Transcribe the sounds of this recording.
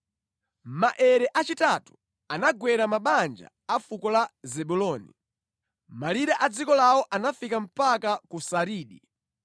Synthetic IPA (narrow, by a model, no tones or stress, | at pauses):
maʔɛɾɛʔat͡ʃitatu̥ | anaɡwɛɾamaɓand͡ʒa̰ | afukɔlazɛɓulɔːnḭ | maliɾaʔad͡zikɔlawɔʔanafikam̩pakakusaɾiːɗi